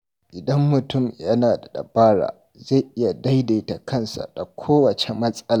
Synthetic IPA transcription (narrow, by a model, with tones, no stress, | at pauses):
ʔɪ˨dɐ˦mːʊ˨tʊ˦˨mjɐ˦naː˨da˨ɗɐ̰˨baː˦ɽa̰ː˨ | za˦˨ʔɪ˦ja˨da˦jda˨˦ta˨kʰɐ˦˨nsa̰˨da˨kʷʰoː˦wɐ˨t͡ʃe˨mɐ˦sʼɐ˦laː˨